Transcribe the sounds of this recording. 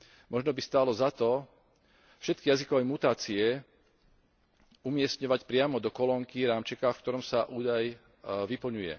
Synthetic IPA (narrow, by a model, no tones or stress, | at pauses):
mɔʒnɔbist̪aːlɔzat̪ɔ | fʃɛt̪̚kijazikɔʋɛjmut̪aːt͡siɛ | umɪɛsɲɔʋacpɾɪamɔd̪ɔkɔlɔŋkiɾaːmt͡ʃɛkafkt̪ɔɾɔmsaʔuːd̪aj | ʋipl̩ɲujɛ̰